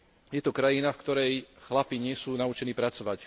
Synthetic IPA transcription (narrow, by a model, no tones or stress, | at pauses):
jɛt̪ɔkɾajinafkt̪ɔɾɛjxlapiɲɪɛsuːnaut͡ʃɛniːpɾat͡sɔʋac